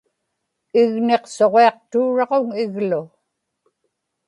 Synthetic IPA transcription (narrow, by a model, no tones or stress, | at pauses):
ɪɣne̞qso̞ʁeɑq̚t̪uːɻɑʁoŋɪɣlʊ